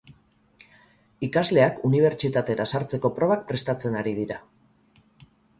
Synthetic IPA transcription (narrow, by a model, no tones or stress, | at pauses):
ikazle̞akuniβ̞e̞ɾt͡ʃit̪at̪e̞ɾasaɾt͡se̞ko̞pɾo̞β̞ak̚pɾe̞st̪at͡se̞naɾiðiɾa